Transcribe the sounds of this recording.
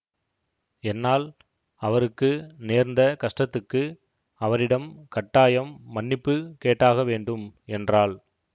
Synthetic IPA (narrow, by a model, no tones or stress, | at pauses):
ɛnːaːl | ɐʋɐɾɯkːɯneːɾnd̪ɐkɐʂʈɐt̪ːɯkːɯ | ɐʋɐɾɪɽɐmkɐʈːaːjɐmːɐnːɪpːɯkeːʈːaːɣɐʋeːɳɖɯmɛndraːl